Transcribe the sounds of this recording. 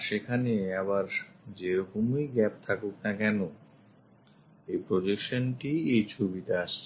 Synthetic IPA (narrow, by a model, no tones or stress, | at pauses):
ʃekʰaneaβaɾd͡ʑeɾɔkomejɡɛp̚t̪ʰakok̚nakɛno | ejpɾod͡ʑekʃonʈiejt͡ɕʰubit̪aaʃt͡ɕʰe